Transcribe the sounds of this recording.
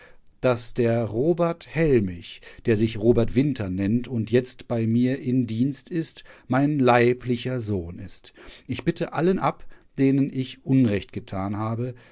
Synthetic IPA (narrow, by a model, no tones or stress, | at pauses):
d̥asd̥eːɐʁoːbɛɐthɛlmɪçd̥eːɐzɪçʁoːbɛɐtv̥ɪntʰɐnɛntʊntjɛt͡stb̥aɪmiːɐʔɪmdiːnstɪstmaɪnlaɪplɪçɐzoːnɪ̰stʔɪçb̥ɪtʰəʔalənʔapd̥eːnənɪçʔʊnʁɛçt̚ɡ̥ətʰaːnɦaːbə